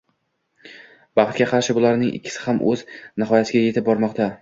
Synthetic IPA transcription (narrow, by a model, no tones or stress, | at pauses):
b̥ɑχt̪̚ɡʲaqʰɑɾʃɪbʊlaɾnɪŋʔɪ̰kʲʰːɪ̥sɪ̥hamʔɵ̰znɪɦɒjasɪɡʲaje̞t̪ʰɪp̚bɒɾmɒqt̪a